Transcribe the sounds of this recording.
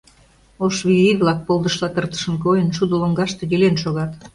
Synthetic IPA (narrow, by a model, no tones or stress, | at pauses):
oʃβiiβlɑk̚polˠd̪əʃlɑt̪ərt̪ə̥ʃə̆nkojənʃud̪oloŋɡɑʃt̪ejʲelenʃoɣɑt̪